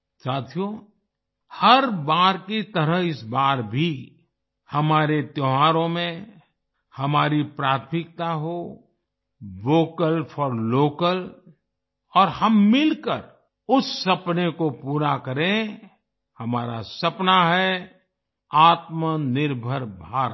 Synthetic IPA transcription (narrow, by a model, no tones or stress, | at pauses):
saːt̪ʰijo | həɾbaːɾkit̪əɾəɦɪsbaːɾbʱi | hɐmaːɾet̪joɦaːɾõmẽ | hɐmaːɾipɾaːt̪ʰmɪk̚t̪aɦo | ʋoːkəlpʰɔːɾloːkəl | ɔːɾhəmːɪlkəɾ | ʊsːɐpnekopuːɾakəɾẽ | hɐmaːɾa̰sɐpnaɦɛ | aːt̪mənɪɾbʱəɾbʱaːɾ